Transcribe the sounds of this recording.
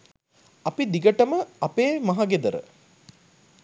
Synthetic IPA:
ɐpid̪iɡəʈəməɐpeːmɐɦaɡed̪əɾə̰

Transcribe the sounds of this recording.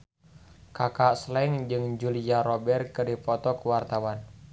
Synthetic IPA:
kakaʔslɛŋd͡ʒɨŋd͡ʒuliaɾɔbɛrkɨrdipɔt̪ɔkəwart̪awan

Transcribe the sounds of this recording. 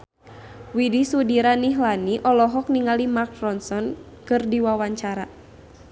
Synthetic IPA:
widisudiɾaniɦlaniʔɔlɔɦɔk̚niŋalimak̚rɔnsɔn | kɨrdiwawaɲt͡ʃaɾa

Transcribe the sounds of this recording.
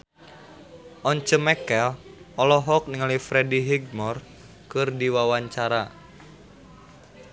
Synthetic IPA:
ʔɔɲt͡ʃəmɛkɛlɔlɔɦɔk̚niŋalifɾɛdiɦiɡ̚mɔr | kɨrdiwawaɲt͡ʃaɾa

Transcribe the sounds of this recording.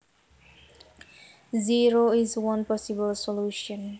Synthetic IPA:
ziɹoizwʌ̃npɔsibəlsɔluːʃə̃n

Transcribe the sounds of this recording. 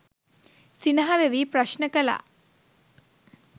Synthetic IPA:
sinɐɦaʋeʋiːpɾɐʃnəkəla̰

